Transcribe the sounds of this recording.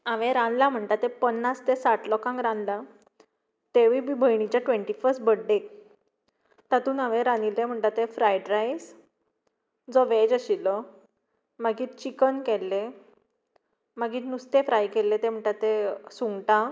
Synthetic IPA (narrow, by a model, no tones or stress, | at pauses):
ãʋẽɾãnlam̤əɳt̪at̪ːepənːast̪esaʈʰlɔkãŋɡɾãnla | t̪eʋibibʱəjɳ̃it͡ɕjaʈʋẽɳʈifəɾsʈ̚bəɽɖe | t̪at̪uːnaʋẽɾanilẽm̤əɳʈ̪t̪at̪ːefɾajɖɾajs | d͡zɔʋed͡ʑəɕilɔ | maɡiːt̪t͡ɕikənkɛlːe | maɡiːnust̪efɾajkɛlːet̪em̤əɳt̪at̪ːesuŋɡʈa